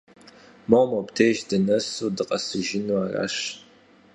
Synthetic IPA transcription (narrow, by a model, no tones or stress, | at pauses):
mowmowbtʰeːʒdɨnɐsuːdɨqʼɐsɨʒɪnuaːra̰ːɕ